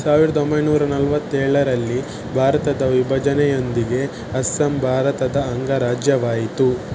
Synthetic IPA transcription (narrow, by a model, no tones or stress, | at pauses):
saːʋiɾɐd̪ombɐjnuːɾɐnɐlʋɐt̪ːɛːɭɐɾɐlːi | bʱaːɾɐt̪ɐd̪ɐʋibʱɐd͡ʒɐnɛjo̞nd̪iɡe̞ | ɐsːɐmbʱaːɾɐt̪ɐd̪ɐːŋɡɐɾaːd͡ʒjɐʋaːjit̪u